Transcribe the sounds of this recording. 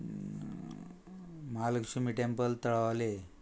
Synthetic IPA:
malkɕumiʈempəlt̪əɭaʋle

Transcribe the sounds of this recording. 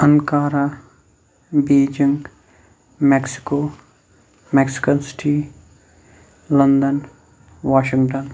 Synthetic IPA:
ənkaːɾa | beːd͡ʒɪŋɡ | mɛːksɪ̥koː | mɛːksɪ̥kənsɪ̥ʈiː | lɐnd̪ən | ʋaːʃɪ̃ŋɡʈən

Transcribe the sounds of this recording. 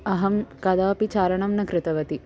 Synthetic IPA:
ɐɦɐmkɐd̪aːpit͡ʃaːɾɐɳɐmnɐkɾɪt̪ɐʋɐt̪i

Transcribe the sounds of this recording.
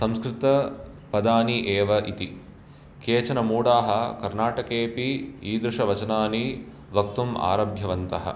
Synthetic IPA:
sɐmskɾɪt̪ɐ | pɐd̪aːniʔeːʋɐʔit̪i | keːt͡ʃɐnɐmuːɽaːɦɐkɐɾnaːʈɐkeːpiiːd̪ɾuʂɐʋɐt͡ʃɐnaːni | ʋɐkt̪uma̰ːɾɐbʱjɐʋɐnt̪ɐɦɐ̰

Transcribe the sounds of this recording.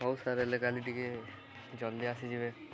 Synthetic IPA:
ɔwsaɾelekaliʈike | d͡ʒɔnd̪iasid͡ʒibe

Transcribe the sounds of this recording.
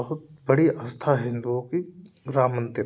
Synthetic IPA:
əɦʊt̪̚bɐɽiəst̪ʰaɦɪ̃nd̪uõkiɡɾaːmənt̪ə

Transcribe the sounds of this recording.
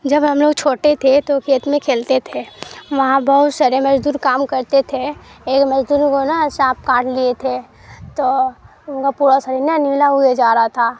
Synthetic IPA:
d͡ʒɐbɦɐmloːɡ̚t͡ʃʰoːʈet̪ʰet̪okʰeːt̪mẽkʰeːlt̪et̪ʰeʋɐɦãbɐɦʊt̪saːɾemɐd͡ʒd̪uːɾkaːmkəɾt̪et̪ʰeeːkmɐd͡ʒd̪uːɾkonasãːp̚kãːʈʰliet̪ʰe | t̪oː | ʊnkapuːɾasəɾinjanɪlaɦʊed͡ʒaːɾaat̪ʰaː

